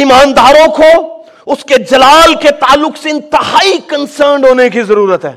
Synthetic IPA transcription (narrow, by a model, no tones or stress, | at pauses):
iːmaːnd̪aːɾõko | ʊsked͡ʒɐlaːlket̪aːlːʊkseɪ̃nt̪ɪɦaːikɐnsəɾɳɖɦoːnekizɐɾuːɾət̪ɦɛ̰ː